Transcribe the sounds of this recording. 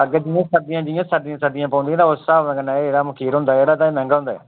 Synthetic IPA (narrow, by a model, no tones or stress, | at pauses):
əɡd͡ʒɪːãːsəd̪ɪjãːd͡ʒɪjãːsəd̪ɪjãːsəd̪ɪjãːpãːnd̪ĩãːt̪aːosaɡənaeeːɽaːməkʰiːɾɦʊ̃nd̪aːɛeːɽaːt̪aːimɛ̃ːŋɡaːɦʊ̃nd̪aːɛ̰ː